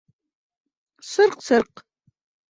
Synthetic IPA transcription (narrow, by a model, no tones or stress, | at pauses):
sɨrqsɨrq